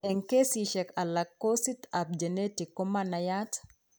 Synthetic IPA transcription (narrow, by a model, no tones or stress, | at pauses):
ɛŋkesiʃɛkalakːosit̪ap̚d͡ʒɛnetikːomanajat